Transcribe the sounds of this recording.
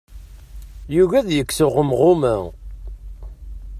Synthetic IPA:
juʝæðjəkːsʊʁəmʁʊmæ

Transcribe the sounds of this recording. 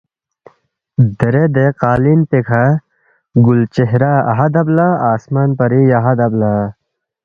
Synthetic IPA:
d̪eɾed̪eqaːlinpekʰa | ɡult͡ɕeɦɾaːɐ̰ɦad̪ɐblaaːsmaːnpɐɾiɐɦad̪ɐbla

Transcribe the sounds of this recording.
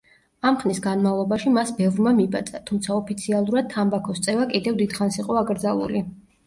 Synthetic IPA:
amχnisɡanmavlˠɔbaʃimasbɛvɾmamibat̪sʼat̪ʰumt̪sʰaɔpʰit̪sʰialˠuɾad̪̚t̪ʰːambakʰɔst̪sʼɛvakʼid̪ɛvd̪id̪χansiqʼɔaɡɾd̪zalˠṵli

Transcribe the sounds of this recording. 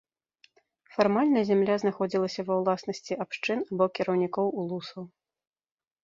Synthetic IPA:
farmalʲnɐzʲamlʲaznaxɔd͡zʲilˠɐsʲɐvɐwlˠasnɐsʲt͡sʲiʔapʂt͡ʂɨnabɔkʲiɾɐwnʲikɔwulˠusɐw

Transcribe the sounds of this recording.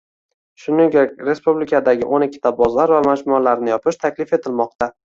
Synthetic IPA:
ʃʊnɪŋɡʲakʲɾe̞spublɪkʰad̪aɡʲɪʔonɪkʲʰːɪ̥t̪ʰabɒzlaɾvamad͡ʒmʊalaɾnɪjɒpɪʃt̪ʰakʲlɪfe̞t̪ʰɪlmɒq̚t̪ʰa

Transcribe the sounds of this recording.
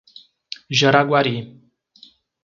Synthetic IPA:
ʑəɾaɡwaɾi

